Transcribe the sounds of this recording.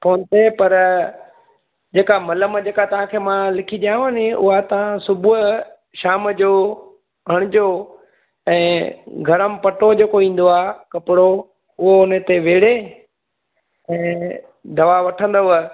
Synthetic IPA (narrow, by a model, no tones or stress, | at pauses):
poːnt̪epɐɾ | d͡ʑeːkamɐləməd͡ʑeːkat̪ɐʋ̤ãkʰeːmãlɪkʰiɗjãɦənɪʊ̰ɦat̪ɐʋ̤ãsʊbʱʊɦ | ʃaːmd͡ʑoː | ɦɐɽ̃ɪd͡ʑo | ɛ̃ːɡʱɐɾəmɪpɐʈod͡ʑeːkoĩːn̆d̪oaːkɐpɪɽo | ʊɦoʊnət̪eʋeːɽe | ɛ̃ː | d̪ɐʋaʋɐʈʰə̃n̆d̪oʋ